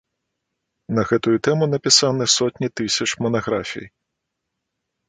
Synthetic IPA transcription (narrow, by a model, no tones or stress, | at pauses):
nɐɣɛt̪ʊjʊt̪ɛmʊnɐpʲɪsɑnɛsɔtʲnʲit̪ɪsʲɐt͡ʃmɔnɐɣɾafʲḭj